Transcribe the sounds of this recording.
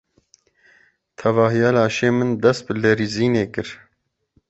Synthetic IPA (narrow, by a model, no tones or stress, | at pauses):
t̪ʰɛvɑːɦijɑːlɑːʃeːmɨnd̪ɛst̪̚bɨlɛɾiːziːneːkɨɾ